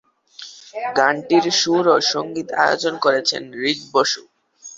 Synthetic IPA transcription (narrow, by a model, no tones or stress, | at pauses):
ɡaɳʈiɾʃuɾoʃoŋɡit̪a̰jo̰t͡ɕonkoɾet͡ɕʰḛnɾid͡ʑboʃu